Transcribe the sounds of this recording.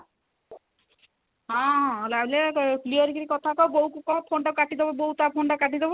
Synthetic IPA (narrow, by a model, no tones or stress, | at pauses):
ɦãɦãɦolablepliɔɾikiɾikɔt̪ʰakɔbɔukukɔpʰoɳʈakaʈid̪ebɔbɔɦut̪apʰoɳʈakaʈid̪ebɔ